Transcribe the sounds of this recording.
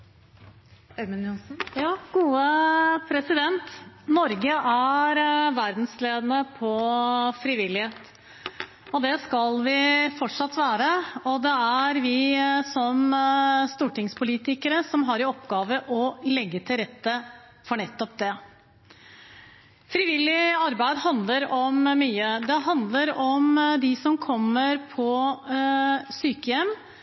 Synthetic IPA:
æɾmɪnjʊsn̩jɑːɡuːəpʰɾɛsɪd̪ɛnt̪nɔɾɡəʔæɾʋæɾd̪n̩sleːd̪ənəpʰɔfɾɪʋɪlːɪheːt̪ | ɔd̪ɛskɑlʋɪfɔʈʂɑt̪ːʋæːɾəɔd̪ɛæɾʋɪsɔmst̪uːʈɪŋspʰʊliːt̪ɪkəɾəsɔmɦɑɾɪɔpːɡɑːʋəʔɔlɛɡːət̪ʰɪlɾɛt̪ːə | fɔɳɛt̪ːɔp̚d̪ɛ | fɾɪʋɪlːɪɑɾbæɪd̪hɑnd̪ləɾɔmmyːəd̪ɛɦɑnd̪ləɾɔmd̪ɪsɔmkʰɔmːəɾpʰɔ | syːkəjɛmː

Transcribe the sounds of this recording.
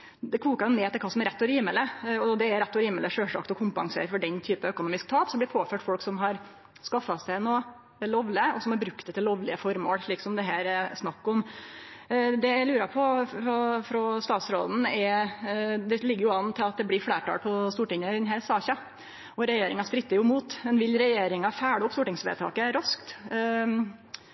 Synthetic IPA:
d̪ɛkʰʋuːkɑɾʊnɛt̪ʰɪlkʰɑːsɔmɛɾɛt̪ːɔɾiːmələɔɔd̪ɛæɾɛt̪ːɔɾiːmələʂøːʂɑ̰kt̪ɔkʰʊmpɑ̰ŋsḛːɾfɔɖɛnt̪ʰyːpəœkʊnuːmɪskt̪ʰɑːpsɔmb̪ɪɾpʰoːføːʈfɔlksɔmɦɑɾ | skɑfːɑsæɪnoː | ɛloːʋlɪəɔsɔmhɑɾbɾʉk̚t̪ɛt̪ʰːɪloːʋlɪəfɔɾmo̰ːɽʂɭiːksɔmd̪ɛɦæːɾɛsnɑkːɔm | d̪ɛæɪlʉːɾɑpʰɔɾɔfɾɔst̪ɑːt̪sɾo̰ːd̪n̩ɛ | d̪ɛlɪɡːəjʊɑnːt̪ʰɪlɑt̪̚d̪ɛblɪfɽeːʈɑ̰lpʰɔst̪uːʈɪŋəd̪ɛnɦæːsɑːçɑ | ɔɾɛjeːɾɪŋɑstpɾɪt̪ːəɾjʊmuːt̪mɛnʋɪlɾɛjeːɾɪŋɑfæːɽəʊpːst̪uːʈɪŋsʋḛːt̪ʰɑ̰ːkəɾɑskt̪

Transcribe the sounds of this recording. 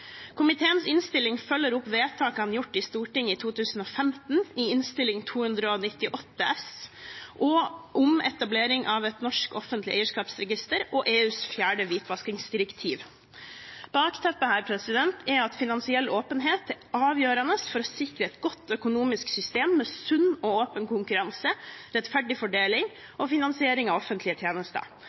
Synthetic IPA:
kʰʊmɪt̪ʰeːənsɪnst̪ɪlɪŋfœlːəɾʊpʋeːt̪ʰɑːkɑnjʊʈːɪst̪uːʈɪŋɪt̪ʰuːt̪ʰʉːsn̩ɔːfɛmt̪n̩iɪnst̪ɪlɪŋt̪ʰuːhʉnd̪ɾəɔnɪt̪ːɪʔɔt̪ːəɛsʔɔʔʊmɛ̰t̪ɑbleːɾɪŋʔɑːʋɛt̪nɔʂkɔfənt̪lɪeɪəʂkɑːpsɾɛɡɪst̪əɾɔʔeːʉːsfjæːɖəʋiːt̪ʰʋɑskɪŋsd̪ɪɾɛkt̪ʰiːʋ | b̥ɑːkt̪ʰɛpːəhæːɾpʰɾɛsɪd̪ɛnt̪ʰɛɑt̪fɪnɑnsɪɛlːoːpənɦeːt̪ɛʔɑːʋjøːɾɑnəsfɔɾɔsɪkɾəɛt̪ɡɔt̪ːœkʊnuːmɪsksʏst̪eːmːɛsʉnːɔoːpənkʊŋkʉɾɑnsəɾɛt̪fæɖɪfɔɖeːlɪŋ | ɔfɪnɑnsɪeːɾɪŋɑʋɔfənt̪lɪət̪ʰjeːnəst̪ə̰

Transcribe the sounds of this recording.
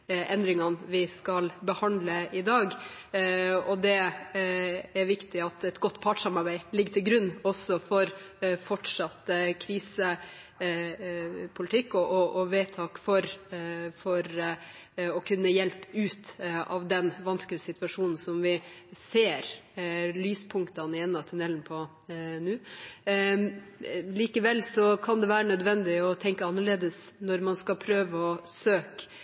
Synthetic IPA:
ʔɛnd̪ɾɪŋɑnʋɪskɑlbəhɑnd̪ləɪd̪ɑːɡ | ɔd̪ɛ | æɾʋɪkt̪ɪɑt̪ɛt̪ɡɔt̪ːpʰɑʈʂɑmɑɾbæɪlɪɡːət̪ʰɪlɡɾʉnːɔsɔfɔɾfɔʈʂɑt̪ːkʰɾiːsə | pʰʊlɪt̪ʰɪkːɔʔɔʔɔʋeːt̪ʰɑːkfɔɾfɔɾ | ɔkʰʉnːəjɛlpʉːt̪ɑ̰ʋd̪ɛnʋɑnsklɪəsɪt̪ʋɑʂuːnn̩sɔmʋɪseːɾlyːspʰʊŋkt̪ɑnɪɛnːɑt̪ʰʉnɛlnpʰɔ | nʉː | liːkəʋɛlːsɔkʰɑnd̪ɛʋæːɾənœd̪ʋɛnd̪ɪɔt̪ʰɛŋkəɑnːəɭeːd̪əsnɔɾmɑnskɑpʰɾøːʋəɔsøːk

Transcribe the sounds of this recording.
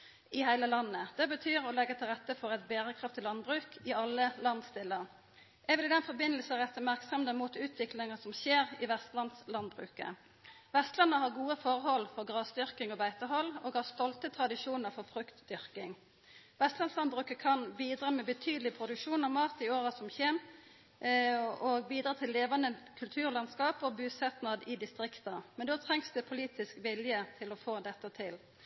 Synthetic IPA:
ɪhæɪləlɑnːəd̪̥ɛbət̪ʰyːɾɔlɛɡːəʁt̪ʰɪlʁɛt̪ːəfɔʁɛt̪beːʁəkʰʁɑft̪ʰːɪlɑnbʁʉːkɪɑlːəlɑnst̪ɪlːəʁ | jɛʋɪlɪd̪ɛnfɔbɪnəl̩səʁɛt̪ːəmæʁksɔmd̪əmuːt̪ʉːt̪ʰʋɪklɪŋəsɔmɕeːʁɪʋɛst̪lɑnslɑnbʁʉ̰ːkə̰ | ʋɛst̪lɑnəhɑʁɡuːəfɔʁhɔlfɔʁɡʁɑːsd̪ʏʁkɪŋoːbæɪt̪əɦɔloːɡhɑʁst̪ɔlt̪ət̪ʰʁɑd̪ɪʂuːnəɾfɔʁfʁʉkt̪d̪ʏʁkɪŋ | ʋɛst̪lɑnslɑnbʁʉːkəkʰɑnbiːd̪ʁɑmɛbət̪ʰyːd̪əlɪpʰʁʊd̪ʉkʂuːnɑʋmɑːt̪ɪoːʁəsɔmçeːm | oɡbiːd̪ɾɑːt̪ʰɪlːeːʋɑnəkʰʉlt̪ʰʉːʁlɑnskɑːpɔbʉːsɛt̪nɑd̪ɪd̪ɪst̪ʁɪkt̪əmɛnd̪oːt̪ʰʁɛŋsd̪ɛpʰʊliːt̪ɪskʋɪljət̪ʰɪlɔfoːd̪ɛt̪ːət̪ʰɪl

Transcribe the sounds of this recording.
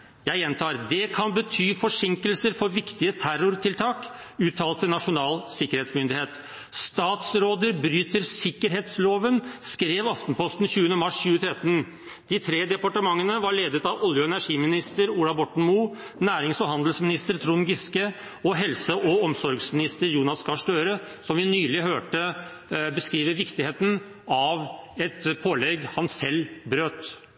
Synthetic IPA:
jæɪjɛnt̪ʰɑːɾd̪ɛkʰɑnbət̪ʰyːfɔʂɪŋkəlsəɾfɔɾʋɪkt̪ɪət̪ʰæɾʊɾt̪ʰɪlt̪ʰɑːk | ʉːt̪ʰɑːlt̪ənɑʂʊnɑːlsɪkːəɾheːt̪smʏnd̪ɪheːt̪ | st̪ɑːt̪sɾoːd̪əɾbɾyːt̪əɾsɪkːəɾɦeːt̪sloːʋənskɾeːʋɑft̪npɔst̪n̩çʉːənəmɑʂçʉːət̪ʰɾɛt̪ːən | d̪̥ɪt̪ʰɾeːd̪ɛpɑʈəmɑŋːənəʋɑɾɭeːd̪ət̪ɑʋɔljʊɛnæʂiːmɪnɪst̪əɾuːlɑbɔʈɳ̩muː | næːɾɪŋsɔhɑnd̪əlsmɪnɪst̪əɾt̪ʰɾuːnɡɪskə | ɔɦɛlsəʔɔɔmsɔɾɡsmɪnɪst̪əɾjuːnɑskʰɑʂʈøːɾəsɔmʋɪnyːlɪhøːʈə | bəskɾiːʋəɾʋɪkt̪ɪheːt̪n̩ | ɑʋɛt̪pʰoːlɛɡhɑnsɛlbɾøːt̪

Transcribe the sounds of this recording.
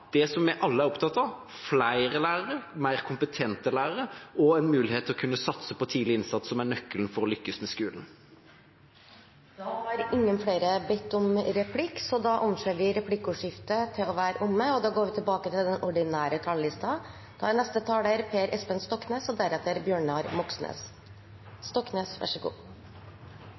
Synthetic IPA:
d̪̥ɛsɔmmɛʔɑlːəæɾɔp̚t̪ʰɑt̪ːɑʋ | flæɪɾəlæːɾəɾəmæɪɾkʰʊmpət̪ʰɛnt̪əlæːɾəɾəɔɛnmʉːlɪheːt̪ʰːɪlɔkʰʉnːəsɑt̪səpɔt̪ʰiːd̪lɪɪnsɑt̪ssɔmæɳœkːəln̩fɔɾɔlʏkːəsmɛskʉːln̩ | d̪ɑhɑɾɪŋːənfɽeːɾəbɛt̪ːɔmɾɛpʰlɪkːsɔd̪ɑʔɔnʃøːʋɪɾɛpʰlɪkːʉʂɪft̪ət̪ʰɪlɔʋæːɾəʔʊmːəɔd̪ɑɡoːɾʋɪt̪ʰɪlbɑːkət̪ʰɪld̪ɛnʔɔɖɪnæːɾət̪ʰɑːllɪst̪ɑ | d̪̥ɑ̰ænɛst̪ət̪ʰɑːleːɾpʰeːɾʔɛspənst̪ɔkːneːsɔd̪æɾɛt̪ːəɾbjøːɳɑɾmʊksnḛːs | st̪ɔkneːsʋæ̰ʂəɡṵː

